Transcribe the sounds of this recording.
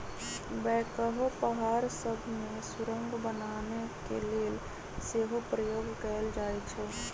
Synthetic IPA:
bɛːkəɦopəɦaːɾsəbʱmẽsʊɾə̃ŋɡbənaːnekeleːl | seːɦopɾəjoːɡkəld͡ʒaːet͡ʃʰɛː

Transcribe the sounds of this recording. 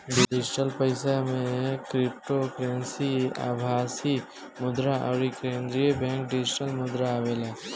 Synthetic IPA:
ɖɪd͡ʒɪʈəlpəɪsamẽkɾɪp̚ʈokɾensia̰bʱaːsi | mʊd̪ɾaʔɔːɾikɾeːnd̪ɾijəbɛ̃ːŋkɖɪd͡ʒɪʈəlmʊd̪ɾaːʋela

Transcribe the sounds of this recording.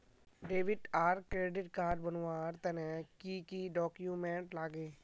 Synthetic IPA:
ɖeːʋɪʈaːɾkɾeːɖɪʈkaːɖ̚bənwaːɾt̪ənɛkikiɖɔːkjumẽːɳʈlaːɡeː

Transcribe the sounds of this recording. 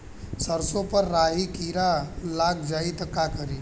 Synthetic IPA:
səɾsõpəɾːaːɦikiɾalaːɡd͡ʒaːit̪ɐkakəɾiː

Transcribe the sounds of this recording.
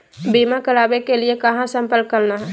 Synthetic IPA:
biːmakəɾaːbekeliekɐɦãsə̃mpəlkkəɾnaɦɛː

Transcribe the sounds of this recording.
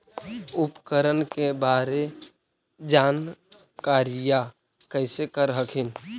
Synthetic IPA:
ʊpkəɾənkebaːɾe | d͡ʒaːn | kaːɾija | kəɪsekəɾɦəkʰɪn

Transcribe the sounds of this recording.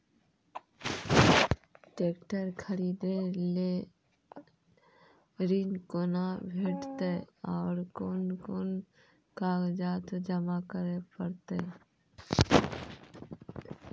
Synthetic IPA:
ʈeːkʈəɾkʰəɾiːd̪ele | ɾinkoːnabʱeːʈt̪eɔːɾkoːnkoːn | kaːɡd͡ʒaːt̪d͡ʒəmakəɾepəɾt̪e

